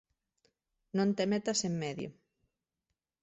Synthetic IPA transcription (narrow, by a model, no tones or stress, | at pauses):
nõnt̪emet̪asemːeðjo̰